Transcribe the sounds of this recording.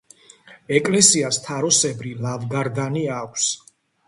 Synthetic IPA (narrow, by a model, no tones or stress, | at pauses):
ɛkʼlɛsiast̪ʰaɾɔsɛbɾilavɡaɾd̪aniakʷʰs